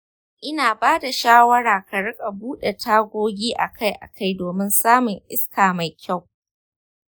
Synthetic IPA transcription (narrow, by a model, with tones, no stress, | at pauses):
ʔɪ˦naː˨baː˦da˨ʃaː˦wɐ˦ɽaː˨ka˨ɽɪ˦kʼa˨buː˦ɗe˨tʰaː˦ɡʷoː˦ɡʲiː˦ʔa̰˨kʰa˦jʔa̰˨kʰa˦jdoː˨mɪ˦nsaː˦mʊ˨ŋʔɪ˦skʰaː˨ma˨jkʲa˦˨w